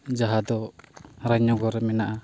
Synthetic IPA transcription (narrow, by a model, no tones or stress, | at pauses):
d͡ʒaɦad̪ɔɾaɲɔɡɔɾɛmɛnaʔa